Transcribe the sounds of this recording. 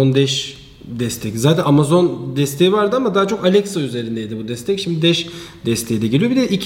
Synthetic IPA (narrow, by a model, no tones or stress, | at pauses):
ond̪ɛʃ | d̪ɛst̪ʰɛczaːt̪ʰɛnamazo̞nd̪ɛst̪ʰeivaɾd̪ɯamad̪aːt͡ʃʰo̞kalʲɛksayze̞ɾind̪ɛjd̪ibud̪ɛst̪ʰɛcʃimd̪id̪ɛʃd̪ɛst̪ʰe̞jid̪ɛɟilʲijobid̪ɛʔicʰ